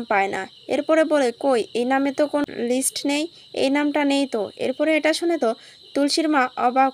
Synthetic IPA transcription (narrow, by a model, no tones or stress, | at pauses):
mpaena̰ | ḛɾpɔɾebolekojejnamet̪okono̰lisʈnej | ḛjnamʈanejt̪oḛɾpɔɾeeʈaʃonet̪o | t̪ulʃiɾmaʔɔ̰ba